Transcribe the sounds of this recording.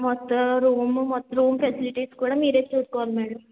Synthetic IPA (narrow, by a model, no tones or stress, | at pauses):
mɔt̪ːɐɾuːmmɔt̪ːɐɾuːmpʰesiliʈiːskuːɽaːmiːɾet͡ʃːuːskoʋalmɛːɽɐm